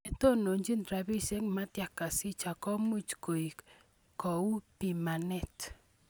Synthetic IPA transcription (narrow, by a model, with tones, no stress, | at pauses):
e˨to˦no˨ɲd͡ʒi˦ntɾa˨bi˦se˦kma˦tja˨kːa˨si˦t͡ʃa˨kɔ˦mu˦t͡ʃko˨i˨k | kɔ˨u˦pi˨ma˨nɛ˦t